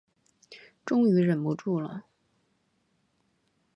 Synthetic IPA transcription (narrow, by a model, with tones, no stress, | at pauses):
ʈ͡ʂʊ˥ŋy˧˥ɻə˨˩nmu˧˥ʈ͡ʂu˥˩lə̰˨˩